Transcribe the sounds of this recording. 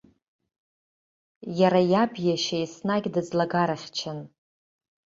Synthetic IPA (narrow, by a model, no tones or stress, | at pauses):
jaɾajabjaʃajsnaɡʲdɨd͡zlaɡaɾaχʲt͡ʃʰɪn